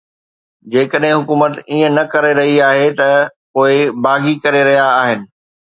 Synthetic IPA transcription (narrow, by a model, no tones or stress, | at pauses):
d͡ʑeːkəɗɦɪ̃ɦʊkuːmət̪iːə̃nɐkɐɾeɾɐɦiaːɦet̪ɐpoːɪbaːɡikɐɾeɾɐɦijaːɦɪnɪ̆